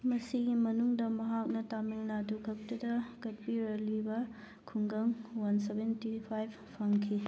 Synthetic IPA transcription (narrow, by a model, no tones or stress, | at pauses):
mɐsiɡimɐnuŋdɐmɐɦak̚nɐtamilnɐdukʰɐk̚tɐdɐkɐt̚piɾɐlibɐ | kʰuŋɡɐŋwɐnsebentipʰajb̚ | pʰɐŋkʰi